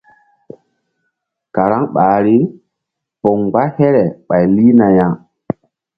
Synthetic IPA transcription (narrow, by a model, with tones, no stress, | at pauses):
ka˨ɾa˦ŋɓaː˨ɾi˦ | pɔ˨ŋɡ͡ba˦hɛ˦ɾɛ˨ɓa˨jli˦na˨ja˨ŋ